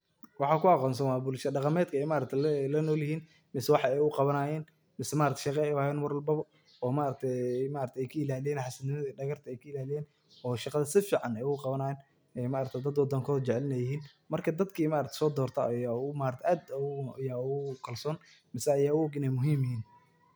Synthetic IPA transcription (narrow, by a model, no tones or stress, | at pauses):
wɑħɑːkʰʊɑqɔːns̬ɐnwɑːbʊlʃɐɖɑqɑmɛːd̪kʰɐɛjmaːɾɐk̚t̪ʰɛlɐnɔːljɪhiːn | mɪsɛwɑħɑɛjʊqɑβɐnaːjɛːn | mɪsɛmaːʔɾɐkt̪ʰʃɑqɛɛwaːjɛːnwɑɾʊlbɐβɔ | ɔːmaːɾɐk̚t̪ʰɛmaːɾɐkt̪ʰɛɛjkʰɐɪlaːlɪjɛːnħɑsɐnɪmɐðɐɖɐɣɐrt̪ʰɐɛjkʰɐɪlaːlɪjɛːn | ɔːʃɑqɑðɐsɪfiːʕɑnɛjʊqɑβɐnaːjɛːn | ɛjmaːɾɐkt̪ʰɛd̪ɐd̪wɐd̪ɐŋkʰɔːðt͡ʃɛʕlɪnɐjɪɦiːn | mɐrkʰɐd̪ɐd̪kʰiːmaːɾɐkt̪ʰɛ̥sɔːd̪ɔːrt̪ʰa̰jamaːɾɐt̪ʰɛʔaːd̪ɐjaːʊʊkʰɐlsɔːn | mɪsɛɐjaːʊɔɡɪnɛjmʊɦiːmjɪɦiːn